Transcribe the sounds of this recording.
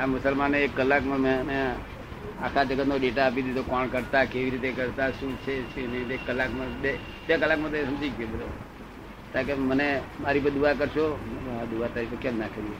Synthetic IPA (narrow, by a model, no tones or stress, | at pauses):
amʊsəlmaneekːəlːakmãmẽnẽ | akʰad͡ʒəɡət̪noɖeʈaːp̬id̪id̪okɔɳkəɾt̪akeʋiɾit̪̬ekəɾt̪aʃũt͡ʃʰet͡ʃʰenəekːəlːakmãbe | bekəlːakmãt̪oeɦəmd͡ʒiɡebəd̪o | t̪ãkemənemaɾip̬ə̃d̪uakəɾʃomad̪uat̪əɾikʰekɛ̃mnakəɾije